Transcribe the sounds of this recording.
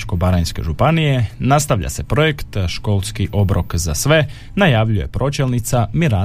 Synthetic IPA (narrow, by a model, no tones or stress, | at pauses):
t͡ʃko̞baɾajnske̞̰ʒupanije̞nast̪aʋʎa̰se̞pɾo̞je̞kt̪ʃko̞ːlˠskiʔo̞bɾʔo̞kzasʋe̞ | najaʋʎuje̞̰pɾo̞t͡ʃe̞lnit̪samiɾa